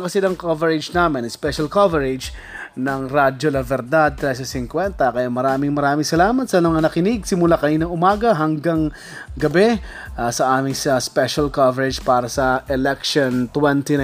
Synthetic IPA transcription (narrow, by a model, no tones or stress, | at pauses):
kɐsɪlɐŋkovɛɹɪd͡ʒnaːmɪnŋspɛʃɐlkavɛɹɪd͡ʒ | nɐŋɾad͡ʒolɐvɛɾd̪ad̪̚t̪ːɾɛs̬ɐsɪŋkwɛnt̪ɐkɐjamɐɾaːmɪŋmɐɾaːmɪŋsɐlaːmɐt̪̚sɐmɐŋanɐkɪnɪɡ̚sɪmʊlakɐniːnɐŋʔʊmaːɡɐɦɐŋɡaŋ | ɡɐbɛ | asɐʔaːmɪŋsɐspɛʃɐlkavɛɾɛd͡ʒpaːɾɐsɐʔɛlɛkʃont̪wɛnt̪in